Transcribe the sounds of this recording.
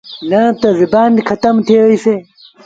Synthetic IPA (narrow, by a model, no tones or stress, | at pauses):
nɐt̪ɐzibaːnkʰɐt̪ɐmt̪ʰewise